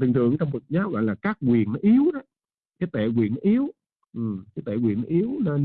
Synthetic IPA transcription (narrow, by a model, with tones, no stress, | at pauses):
t̪ɨ˨˩ŋt̪ʰɨ̰˨˧˨əŋt͡ɕɔ˧wŋ͡mvɨ˨˩k̚ɲaː˨˦w̚ɣɔ̰˧˨jlaː˨˩kaː˦˥k̚kwi˨˩ən˦ʔi˨˦əwɗɔ˨˦ | kaː˨˦jt̪e˧˩kwi˨˩ənʔi˨˦əw | ʔɨ˨˩mkaː˨˦jt̪e˧˨˩kwḭ˨˩ənʔi˨˦əwnə˧n